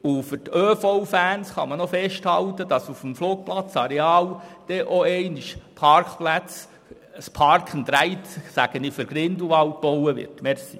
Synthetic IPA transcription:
ufʏɾtøːfɔʊfæːnsχɑ̰mənofɛʃthɑwt̪ədɑsufm̩floːk̚plɑt͡sɑɾɛɑːwd̥ɛʔoɛɪniʃpʰɑrkplæt͡s | spʰɑɾkχən̩t̪ɾæɪtsæɡ̥ənɪfʏɾɡ̥ɾɪnd̪uʋɑwt̚b̥ɔwəʋɪ̰rtmɛɾsi

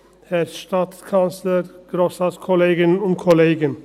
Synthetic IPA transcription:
hɛɾsʃtɑt̪skʰɑnsləɾɡ̥ɾoːsɑskʰɔleːɡənʊnt̪̚kʰɔleːɡən

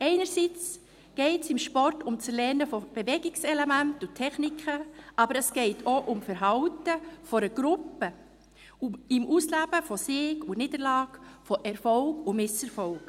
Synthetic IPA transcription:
ɛɪnəɾsit͡s | ɡ̥ɛɪtsɪmʃpɔɾtʊmt͡sɛɾlɛnəfob̥evɛɡɪksɛlemæntutʰːɛχnikʰəʔɑbəɾəsɡ̥ɛɪtʰoʔʊmfəɾɦɑʊtəfɔɾəɡ̥ɾʊpːə | uɪmʔuslæb̥əfɔsɪːɡuniːdəɾlɑːkfoʔɛɾfɔlkʊmɪsɛɾfɔlk

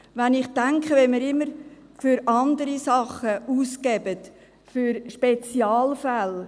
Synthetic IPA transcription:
ʋænɪχtæŋkχəʋɛmiɾɪmːəɾ | fyɾɑnd̪əɾisɑχəuːskɛbət | fyɾʃpet͡sjɑːlfæl

